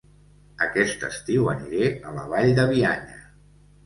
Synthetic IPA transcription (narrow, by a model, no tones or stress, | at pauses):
əkɛst̪ə̰st̪iwəniɾeələβ̞aʎd̪əβ̞iaɲə